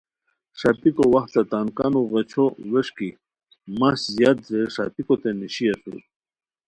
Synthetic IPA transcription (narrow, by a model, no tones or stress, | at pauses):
ʂap̪ikowɐxt̪t͡sat̪ankɑnuɣet͡ɕʰoweʂki | maszjɑt̪̚zeʂa̰pikot̪eniɕiasṵ